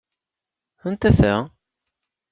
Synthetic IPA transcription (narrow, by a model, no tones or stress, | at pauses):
θənt̪æθæ̰